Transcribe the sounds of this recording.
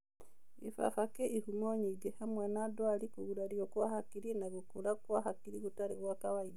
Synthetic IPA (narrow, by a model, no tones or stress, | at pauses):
ḭfa̰fakeihumoɲiɡehamwenadwalikuɣuɾaɾiokwahakiɾinaɣukulakwahakiɾiɣutaɾiɣwakaβai